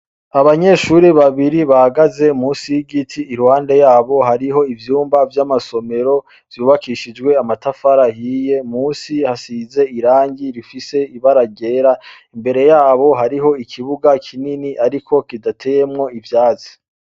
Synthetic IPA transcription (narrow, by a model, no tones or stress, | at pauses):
aβaɲe̞ːʃuɾiβaβiɾiβahaɡaze̞muːsijiɡitʰiːɾwaːnde̞jaːβo̞ɦaɾiɦo̞ivjuːmbavjamaso̞me̞ɾo̞ | v̥juːβakʰiʃid͡ʒɡwe̞amatafaɾahiːje̞muːsihasize̞iɾaːɲɟiɾifise̞iβaɾaɟe̞ɾaimbe̞ɾe̞jaːβo̞ɦaɾiɦo̞ikʰiβuɡakʰininiʔaɾikʰo̞kidatʰe̞jemŋo̞ivjaːzi